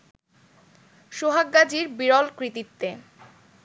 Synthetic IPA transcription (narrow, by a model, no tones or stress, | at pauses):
ʃoɦaɡːad͡ʑiɾbiɾɔlkɾit̪it̪ːe